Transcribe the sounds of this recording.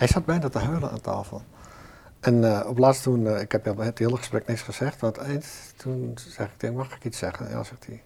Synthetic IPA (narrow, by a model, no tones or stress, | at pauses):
hɛjsat̚bɛjndɔtəɦølˠəa̰ntʰa̰ːfəlˠ | ʔɛnɔplastunɪkhɛpthiəlˠəxəsprɛknɪksχəsɛxtʋɔntɛjnttʰunsɛxɪk̚dɪnmaxɪkit͡sssɛɣənja̰ːsɪkdi